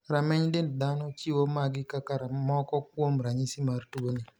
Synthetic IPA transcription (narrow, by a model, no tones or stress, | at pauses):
ɾamɛɲdenddanɔt͡ʃiwomaɡɪkakaɾamɔkɔkwomɾaɲisimartuɡonɪ